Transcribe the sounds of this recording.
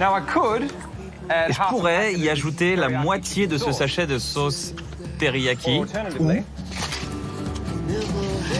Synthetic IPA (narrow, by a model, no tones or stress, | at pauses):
naʊaɪkʰəd | puʁɛiaʒut̪elamwat̪jed̪əsəsaʃɛd̪əsos | t̪eʁijakʲʰiu